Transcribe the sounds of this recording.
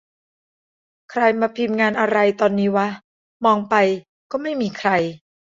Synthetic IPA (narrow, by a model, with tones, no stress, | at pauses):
kʰɾa˧jmaː˧pʰiː˧mŋaː˧nʔa˧ɾa˧jt̪ɔː˧nːiː˦˥waː˦˥ | mɔː˧ŋpa˧j | kɔː˥˩ma˥˩jmiː˧kʰɾa˧j